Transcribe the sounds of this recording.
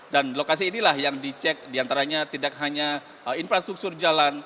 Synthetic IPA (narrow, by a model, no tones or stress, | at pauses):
danlokas̬iːnilahjaŋdit͡ʃɛk̚diant̪aɾaɲat̪idak̚ɦaɲa | infɾast̪ɾuk̚t̪ʊrd͡ʒalan